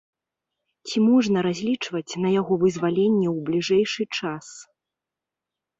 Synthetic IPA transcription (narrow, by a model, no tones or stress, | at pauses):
t͡sʲimɔʐnɐɾazʲlʲit͡ʂvɐt͡sʲnɐjaɣɔvɨzvalʲenʲːɛwblʲiʐɛjʂɨt͡ʂas